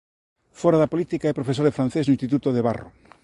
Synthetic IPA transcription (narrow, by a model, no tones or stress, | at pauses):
fɔɾaðapolit̪ikaɛpɾofesoɾðefɾãn̟θeznoʊĩst̪it̪ut̪oðeβa̰ro̰